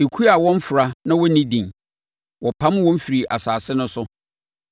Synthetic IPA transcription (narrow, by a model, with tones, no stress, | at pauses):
e˨kʰu˦a˨wɔ̃˦m˦fʊ˨ɾa˦nã˦wɔ˦nĩ˦dĩ˨n | wʔɔ˨pʰa˦m˦wɔ̃˦m̩˦fi˨ɾi˨ʔa̰˨saː˨sɪ˦nʊ̃˦sʊ˦